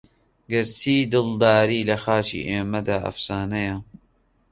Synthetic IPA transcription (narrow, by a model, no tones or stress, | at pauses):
ɡɐɾt͡sʰiːd̪ɨld̪aːɾiːlɐxaːt͡ʃḭːʔeːmɐd̪aːʔɐ̰fsaːnɐjɐ